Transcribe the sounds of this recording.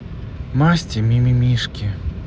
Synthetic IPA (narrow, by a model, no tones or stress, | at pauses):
masʲtʲimʲimʲimʲiʂkʲi